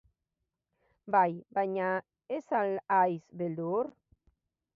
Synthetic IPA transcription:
bajbaɲa | esalajsβeld̪uɾ

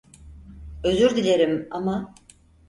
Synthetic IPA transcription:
ø̞zyɾd̪ilʲe̞ɾimama

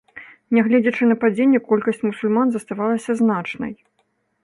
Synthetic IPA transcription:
nʲɛɣlʲɛd͡zʲɐt͡ʂɨnɐpad͡zʲenʲːɛkɔlʲkɐsʲt͡sʲmusulʲmanzɐst̪avalˠɐsʲɐznat͡ʂnɐ̰j

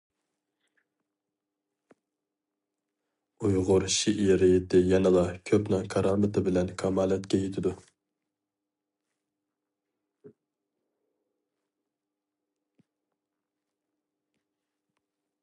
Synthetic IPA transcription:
ujʁʊɾʃiʔiɾɪjɪt̪ʰɪjɛnɨlˠɑkʲʰøpnɨŋqʰɑɾɑːmɨt̪ʰɨbɪlɛnkʰɑmɑːlˠɛt̪kʲɛjet̪ʰɪd̪u

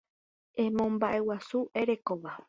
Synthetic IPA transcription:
ʔẽmõ̞mbaʔe̞wasuʔe̞ɾe̞koʋa

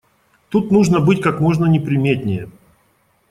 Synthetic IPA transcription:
t̪ut̪nuʐnəbɨtʲkakmo̞ʐnənʲɪpɾʲɪmʲetʲnʲɪjə

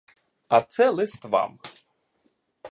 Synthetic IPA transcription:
ɐt̪sɛlˠɪst̪ʋɑ̰m

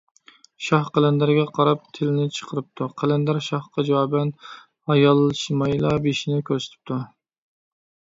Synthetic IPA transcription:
ʃɑhqælænd̪æɾɡʲɛqʰɑɾɑp̚t̪ʰɪlɪnɪt͡ʃʰə̥qʰəɾɨp̚t̪ʰuqʰælænd̪æɾʃɑhqɑd͡ʒɑwɑːbɛn | ɑjɑlˠːʃmɑjlˠɑbeʃinɪkʲʰøɾse̥t̪ʰɪ̥p̚t̪ʰu

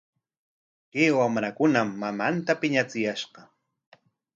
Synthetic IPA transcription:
keːwamɾakʊnamːamant̪apɪɲat͡sɪjaʃɢɑ

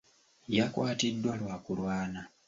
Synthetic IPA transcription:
jakwaːtidːwalwaːkulwaːna

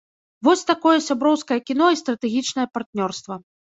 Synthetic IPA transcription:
vɔsʲt̪akɔjɐsʲabɾɔwskɐjɐkʲinɔist̪ɾɐt̪ɛɣʲit͡ʂn̪ɐjɐpart̪nʲɔrst̪vɐ

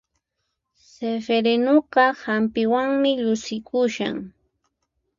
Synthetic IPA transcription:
sefeɾenoqɑhampɪwaŋmɪʎʊsɪkʊʃa̰ŋ

